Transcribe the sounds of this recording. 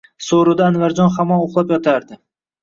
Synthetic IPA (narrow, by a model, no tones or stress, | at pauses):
soɾʊd̪aːnvaɾd͡ʒɒnχamɒnoχlˠapjɒt̪ʰaɾd̪ɪ